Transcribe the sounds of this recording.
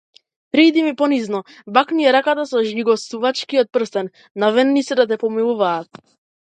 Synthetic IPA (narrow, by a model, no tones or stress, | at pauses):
pɾid̪imipɔniznɔ | bakniɛɾakat̪asɔʒniɡɔst̪uvat͡ʃkiɔt̪̚pr̩st̪ɛnː | avɛnːit̪sɛd̪at̪̬ɛpɔmilˠuvaːt̪̚